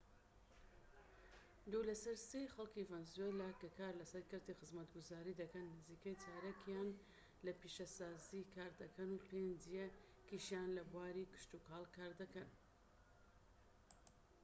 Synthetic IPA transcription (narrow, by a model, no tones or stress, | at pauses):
d̪ulɐsɐɾsejxɐlˠkivɛnzwelaːkɐkaːɾlɐsɐɾkɨɾt̪ixɨzmɐt̪ɡʊzaːɾid̪ɐkɐnːɨziːkɐjtʰaːɾakʰjan | lɐpiʃɐsaːzikʰaːɾd̪ɐkʰɐnuːpʰend͡ʒije | kiʃjanlɐbuwaːɾikɨ̥ʃt̪ukaːlˠkʰaːɾd̪ɐkɐn